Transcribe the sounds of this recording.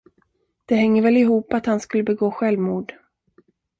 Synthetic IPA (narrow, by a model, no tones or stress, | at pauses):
d̪̥ɛɦɛŋːəɾvɛlɪɦuːpat̪hanskɵlːəbɛɡoːɧɛlvmuːɖ